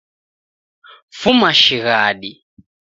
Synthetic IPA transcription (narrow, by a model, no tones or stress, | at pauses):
fumaʃiɣaːɗi